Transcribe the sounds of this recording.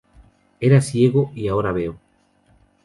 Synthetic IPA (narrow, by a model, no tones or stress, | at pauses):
eɾasjeɣoiaoɾaβeo